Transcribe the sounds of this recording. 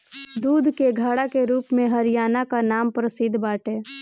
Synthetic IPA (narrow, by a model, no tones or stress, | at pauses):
d̪uːd̪ʱkeɡʱaːɽakeɾuːpmẽɦəɾijaːnakanaːmpɾəsɪd̪ʱbaːʈeː